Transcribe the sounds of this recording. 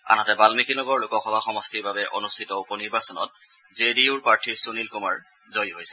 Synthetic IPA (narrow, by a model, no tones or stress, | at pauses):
a̰natɛbalmikilɔɡɔɹlʊkɔxɔbʱaxɔmɔstiɹbabɛʔo̰nustʰitɔupɔniɹbasɔnɔ̰t̚ | zediuɹpaɹtʰiɹsunilkuma̰ɹ | zojɦojsɛ̥